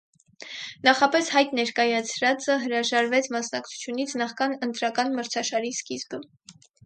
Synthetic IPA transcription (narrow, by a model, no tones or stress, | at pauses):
nɑχɑpɛshɑjt̪nɛɾkɑjɑt͡sʰɾɑt͡səɦəɾɑʒɑɾvɛt͡sʰmɑsnɑk̚t͡sʰu̥t͡sʰjunit͡sʰnɑχkɑnənt̪ɾɑkɑnməɾt͡sʰɑʃɑɾiskizbə